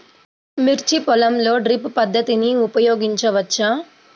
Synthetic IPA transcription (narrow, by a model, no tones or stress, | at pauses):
miɾt͡ʃipɔlɐmloːɖɾippɐd̪ʱːɐt̪iniupɐjoːɡiɲt͡ʃɐʋɐtːt͡ʃʰɐ